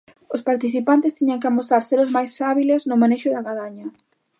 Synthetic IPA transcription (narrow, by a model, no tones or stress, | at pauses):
ospaɾt̪iθipant̪ɪst̪iɲɐŋkɪamosaɾseɾʊzmajsaβilesnʊmaneʃʊðɐɣaðaɲɐ